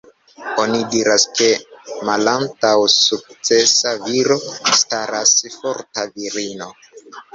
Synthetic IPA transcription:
o̞nidiɾaske̞malantawsuk̚t͡se̞saviɾo̞staɾasfo̞ɾtaviɾino̞

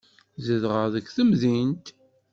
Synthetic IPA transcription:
zəðʁəʁðəkːθəmðint̪

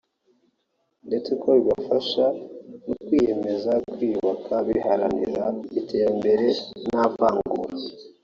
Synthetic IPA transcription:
nde̞t͡se̞kʰo̞βiβafaʃanukwiːje̞me̞zakwiβakʰaβihaɾa̰nḭɾaite̞ɾambe̞ɾe̞napaːŋɡuɾ

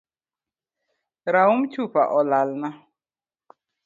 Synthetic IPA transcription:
ɾaumt͡ʃʰupa̰ʔɔlalna

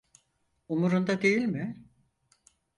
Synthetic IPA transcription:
umuɾund̪ad̪e̞jilʲmɪ

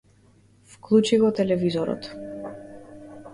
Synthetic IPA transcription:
fklˠut͡ʃiɣɔt̪ɛlɛvizɔɾɔ̰t̪

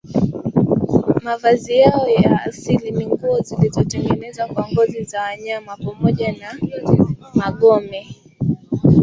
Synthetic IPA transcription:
mavazijaɔjaːsilimiŋɡuɔzilizɔtɛŋɡɛnɛzakwaŋɡɔzizawaɲamapamɔʄana | maɠɔmɛ

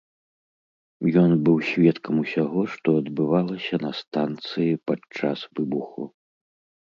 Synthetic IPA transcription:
jɔnbɨwsʲvʲɛt̪kʰɐmusʲaɣɔʂt̪ɔɐd̪bɨvalˠɐsʲɐnɐst̪ant̪sɨjipat͡ʂasvɨbuxu

